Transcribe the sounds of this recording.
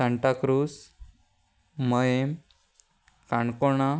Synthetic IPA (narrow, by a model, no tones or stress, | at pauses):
əɳʈakɾuːs | məjem | kaɳkoɳa